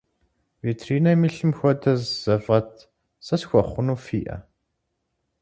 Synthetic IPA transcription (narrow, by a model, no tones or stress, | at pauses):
vitʰriːnɐmiɬɨmxʷɔdʰɐzz̥ɐfʁɐtʰ | sɐsxʷɔχʷʊnuːfiːʔɐ̰